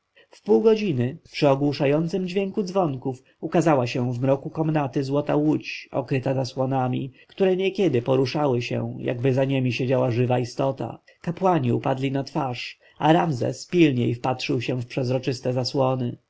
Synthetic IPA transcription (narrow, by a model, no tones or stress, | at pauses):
fpuwɡɔd͡ʑinɘpʂɘɔɡwuʂajɔnt̪sɘmd͡ʑvʲjɛŋkud̪zvɔŋkuf | ukazawaɕɛ̃vmɾɔkukɔmnat̪ɘzwɔt̪awut͡ɕɔ̰kɾɘt̪azaswɔnamʲḭkt̪uɾɛɲɛkʲɛd̪ɘpɔɾuʂawɘɕɛ̰̃ja̰ɡbɘzaɲemʲiɕed͡ʑawaʐɘvaist̪ɔt̪a̰ | kapwaɲiṵpad̪lʲinat̪faʂ | aɾamzɛ̰spʲilɲejfpatʂɘwɕɛ̃fpʂɛzɾɔt͡ʂɘst̪ɛzaswɔnɘ